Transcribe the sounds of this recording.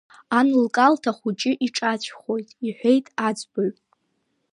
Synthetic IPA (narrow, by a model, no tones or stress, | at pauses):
anlkʼaltʰaχʷut͡ʃʼɪʔiʈ͡ʂʼat͡ɕʷʰχo̞jtʼiħʷᶣe̞jtʼad͡ʒʼboɥʼ